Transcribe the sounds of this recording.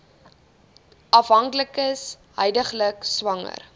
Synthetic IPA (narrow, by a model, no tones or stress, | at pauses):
ʔɐfɦɐŋkləkəs | ɦœjdəχləkswɐŋə̰r